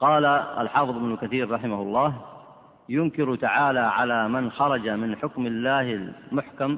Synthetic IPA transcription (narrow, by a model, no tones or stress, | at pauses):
qɑːlaa̰lħɑːfˤɨbɪbnʊlkaθiːɾɾˤɑħɪmahʊlˤːɑːh | jʊnkɪɾt̪aʕaːlaʕalaːmanxɑɾˤɑd͡ʒamɪnħʊkmɪlːaːhɪlmʊħkam